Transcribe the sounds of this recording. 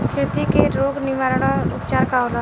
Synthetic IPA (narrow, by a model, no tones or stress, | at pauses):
kʰeːt̪ikeɾoːɡnɪʋaːɾɽ̃aʊpt͡ʃaːɾkaɦola